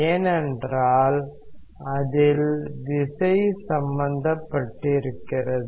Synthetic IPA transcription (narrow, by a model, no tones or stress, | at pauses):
eːnɛndraːl | ɐðɪlʋ̪ɪsɐɪjsɐmbɐnd̪ɐpːɐʈːɪɪɾɯkːɪrɐðɯ